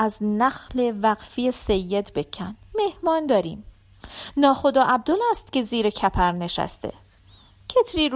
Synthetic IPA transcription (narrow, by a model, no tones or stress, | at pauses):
æznæxle̞væɣfijesejːe̞d̪be̞cʰːænme̞hmɒːnd̪ɒːɾiːm | nɒːχo̞d̪ɒːʔæb̚d̪olæst̪ce̞ziːɾecʰæpʰæɾne̞ʃæ̰st̪ḛ | cʰet̪ʰɾiːɾ